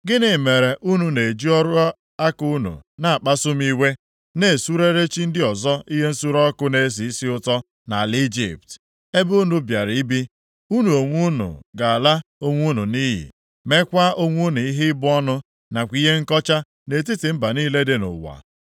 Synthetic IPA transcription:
ɡɪ˦nɪ˨me˨ɾe˨ʔu˦nu˨ne˨e˨d͡ʒi˦ɔ˦ɾʊ˦ | a˦ku˦nṵ˨na˨a˨k͡pa˦sʊ˦m̩˦i˦we˦ | ne˨su˦ɾe˦ɾe˦t͡ʃi˦n̩˦dɪ˦ɔ˨zɔ˦i˦ɦe˦n̩˦su˦ɾɔ˦kʊ˦ne˨˦s̬i˨˦si˦ʊ˦tɔ˦ | na˨li˦d͡ʒḭ˦˨p̚t | e˦bu˦u˦nu˦bja˨ɾi˦bi˦ | u˦nu˨o˨ŋʷu˦nṵ˨ɡa˨a˨la˦o˦ŋʷu˦nu˨niː˦ɦḭ˨ | me˦kʷa˦o˦ŋʷu˦nu˨i˦ɦɪ˦bʊ˦ɔ˦nʊ˦ | na˨kʷi˦ɦe˦ŋ̩˦kɔ˦t͡ʃa˦ | ne˨t̬i˦tɪ˨m̩˦ba˨niː˦le˦dɪ˦nʊ̰˨wa̰˨

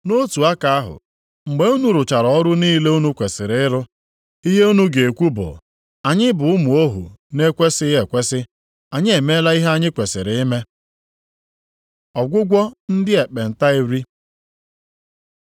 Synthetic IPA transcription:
no˦tu˨a˦ka˨a˦ɦʊ̰˨ | ŋ͡m̩˨ɡ͡be˨˦u˦nu˨ɾʊ˨t͡ʃa˨ɾɔ˨ɔ˦ɾʊ˦niː˦le˦u˦nu˦kʷe˨sɪ˨ɾɪ˨˦ɪ˦ɾʊ˦ | i˦ɦe˦u˦nu˦ɡe˨e˨kʷu˦bʊ̰˨ | a˨ɲɪ˦bʊ˨ʊ˦mʊ˨o˦ɦṵ˨ne˦kʷe˦sɪ˦je˨kʷe˦sɪ˦ | a˨ɲɪ˦e˨me˦la˦i˦ɦe˦a˦ɲɪ˦kʷe˨sɪ˨ɾɪ˨ɪ˦me˦ | ɔ˨ɡʷʊ˦ɡʷɔ˦n̩˦dɪ˦e˨k͡pe˨n̩˨ta˦i˨ɾi˦

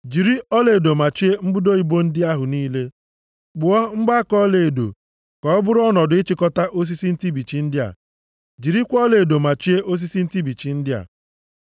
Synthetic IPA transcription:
d͡ʒi˨ɾi˦ɔ˦le˨e˨do˨ma˨t͡ʃi˦e˦ŋ͡m̩˦bʊ˦do˦i˨bo˦n̩˦dɪ˦a˦ɦʊ˨niː˦le˦ | ɡ͡bʊ˨ɔ˦ŋ͡m̩˦ɡ͡ba˦a˦kɔ˦le˨e˨do̰˨ | kɔ˨ɔ˦bʊ˦ɾɔ˦nɔ˨dʊ˨ɪ˦t͡ʃi˦kɔ˦ta˦ʔo˦s̬i˦si˦n̩˦ti˦bi˨t͡ʃi˦n̩˦dɪ˦a̰˨ | d͡ʒi˨ɾi˦kʷɔ˦le˨e˨do˨ma˨t͡ʃi˦e˦ʔo˦s̬i˦si˦n̩˦ti˦bi˨t͡ʃi˨n̩˦dɪ˦a̰˨

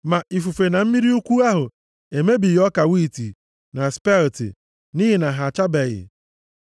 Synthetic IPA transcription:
ma˨i˨fu˨fe˨na˨m̩˦mi˦ɾi˦u˦kʷu˦a˦ɦʊ˨ | e˨me˦bi˨jɔ˦ka˨wi˦˨ti˨ | na˨spɛ˦ltḭ˨ | ni˦ɦi˨na˨ɦa˨t͡ʃa˦bɛ˨ɣɪ̰˨

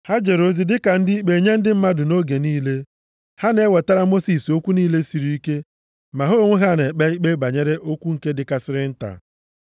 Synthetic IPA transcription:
ha˦d͡ʒe˨ɾo˦zi˦dɪ˦ka˨n̩˦dɪ˦i˦k͡pe˨ɲe˦n̩˦dɪ˦m̩˦ma˦dʊ˨no˦ɡe˨niː˦le˦ | ha˦ne˦we˨ta˦ɾa˦mo˦si˨so˦kʷu˦niː˦le˦si˨ɾi˨˦i˦ke˦ | ma˨ɦo˦ŋʷʊ˦ɦa˦˨ne˨k͡pe˦i˦k͡pe˦ba˨ɲe˦ɾe˦ʔo˦kʷu˦ŋ̩˨ke˦dɪ˨ka˦sɪ˦ɾɪ˦n̩˦ta̰˨

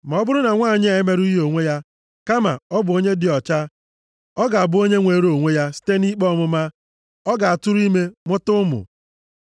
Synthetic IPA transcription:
ma˨ɔ˦bʊ˦ɾʊ˦na˨ŋʷa˦˨ɲɪ˦e˨˦me˦ɾu˦i˦ɦo˨ŋʷe˦ja˦ | ka˦ma̰˨ɔ˦bʊ˨o˦ɲe˦dɪ˨ɔ˨t͡ʃa˦ | ɔ˦ɡa˨a˨bʊ˦o˦ɲe˦ŋʷe˨˦ɾo˨ŋʷe˦ja˦si̥˦te˦ni˦k͡pɔ˦mʊ˦ma˦ | ɔ˦ɡa˨a˨tʊ˦ɾu˦i˦me˦mʊ˦tʊ˦mʊ̰˨

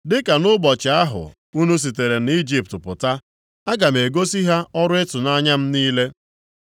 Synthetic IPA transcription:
dɪ˦ka˨nʊ˦bɔ˨t͡ʃɪ˨a˦ɦʊ̰˨ | u˦nu˦s̬i˨te˨ɾe˨n˦i˦d͡ʒi˦˨p̚tpʊ˨ta˦ | a˦ɡa˨m̩˨e˨ɡo˦si˦ɦa˦ʔɔ˦ɾʊ˦ɪ˦tʊ˨na˦ɲa˦m̩˦niː˦le˦

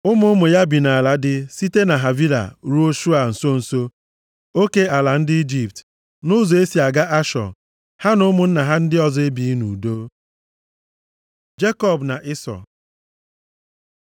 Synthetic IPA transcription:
ʊ˦mʊ˦mʊ˨ja˦bi˨na˨a˨la˨dɪ˦si˦te˦na˨ɦa˨vi˦la̰˨ɾu˦o˦ʃu˦a˨n̩˨so˦n̩˨so˦ | o˦ke˦a˨la˨n̩˦dɪ˦i˦d͡ʒi˨p̚t | nʊ˦zɔ˨e˦si˨a˨ɡa˦ʔa˦ʃɔ̰˨ | ha˦nʊ˦mʊ˨n̩˦na˨ɦa˦n̩˦dɪ˦ɔ˨zɔ˦e˦bi˨˦nu˨do˦ | d͡ʒe˦kɔ˦˨bna˨ʔɪ˦sɔ̰˨

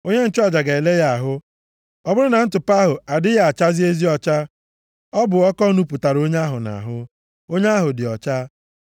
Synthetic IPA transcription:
o˦ɲe˦n̩˦t͡ʃʊ˦a˨d͡ʒa˨ɡa˨e˨le˦ja˦a˨ɦʊ˦ | ɔ˦bʊ˦ɾʊ˦na˨n̩˦tʊ˨pa˦ɦʊ˨a˨dɪ˦ja˦˨a˨t͡ʃa˦zi˦e˦zi˦ɔ˨t͡ʃa˦ | ɔ˦bʊ˨ɔ˦kɔ˦nu˦pu˨ta˨ɾo˦ɲ˦a˦ɦʊ˨na̰˨ɦʊ˦ | o˦ɲe˦a˦ɦʊ˨dɪ˨ɔ˨t͡ʃa˦

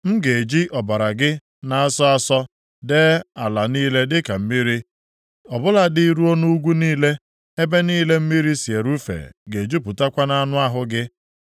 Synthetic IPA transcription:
m̩˦ɡe˨e˨d͡ʒi˦ʔɔ˨ba˨ɾa˨ɡɪ˦ | na˦a˦sɔ˦a˦sɔ˦ | de˦a˨la˨niː˦le˦dɪ˦ka˨m̩˦mi˦ɾi˦ | ɔ˨bʊ˦la˦dɪ˦ɾu˦o˦nu˦u˦ɡʷu˦niː˦le˦ | e˦be˦niː˦le˦m̩˦mi˦ɾi˦si˨e˨ɾu˦fḛ˨ɡe˨d͡ʒu˦p̬ʊ˨ta˦kʷa˦na˦nʊ˦a˦ɦʊ˦ɡɪ˦

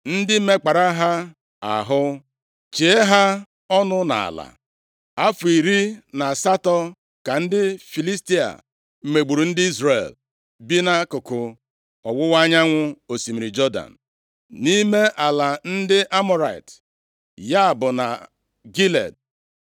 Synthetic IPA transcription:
n̩˦dɪ˦me˦k͡pa˨ɾa˦ɦa˦ | a̰˨ɦʊ˦ | t͡ʃe˨e˦ɦa˦ | ɔ˦nʊ˦na̰˨a̰˨la̰˨ | a˦fu˨i˨ɾi˦na˨sa˦tɔ˦ | ka˨n̩˦dɪ˦fi˨li˦sti˦a̰˨ | m̩˦me˨ɡ͡bu˨ɾu˨n̩˦dɪ˦i˦zɾe˨l | bi˦na˦kʊ˨kʊ˨ | ɔ˨wʊ˦wa˦ɲa˦ŋʷʊ˦o˨si˨mi˨ɾi˨d͡ʒɔ˦da̰˨n̩˨ | ni˦me˦ʔa˨la˨n̩˦dɪ˦ʔa˦mɔ˦ɾa˨i˨t | ja˦˨bʊ˨na̰˨ | ɡi˦lḛ˨d̚

